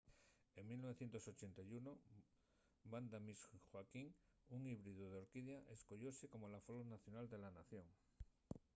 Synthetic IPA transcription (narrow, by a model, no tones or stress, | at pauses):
e̞ŋmilnoe̞θje̞nt̪o̞so̞t͡ʃe̞nt̪ajuno | band̪amisxwakiŋuŋiβɾiðuðeo̞ɾkiðjaʔe̞sko̞ʎo̞seko̞molafolonaθjo̞nald̪e̞lanaθjo̞ŋ